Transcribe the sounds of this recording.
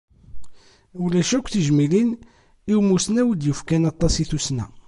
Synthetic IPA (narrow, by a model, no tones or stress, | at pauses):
ʊlæʃækʷːθiʒmilin | iwmusnæwəd̪jəfkænɑt̪ˤːɑsiθusnæ̰